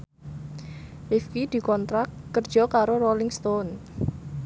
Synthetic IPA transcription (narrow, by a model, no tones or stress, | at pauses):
ʔifkid̪̥i̤kɔnt̪ɾakːərd̥d͡ʒ̥ɔ̤kaɾorolɪŋst̪on